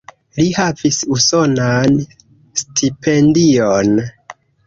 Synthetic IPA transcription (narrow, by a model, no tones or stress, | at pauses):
lihavisuso̞nan | stʰipʰe̞ndion